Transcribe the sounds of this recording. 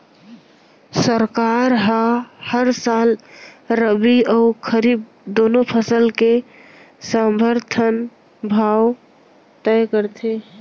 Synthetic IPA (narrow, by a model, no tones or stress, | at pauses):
səɾkaɾɦãhəɾsalɾəbiəːkʰəɾiːb̚ | d̪onopʰəsəlke | sə̃mbəɾt̪ʰən | bʱaw | t̪ɛjkəɾt̪ʰe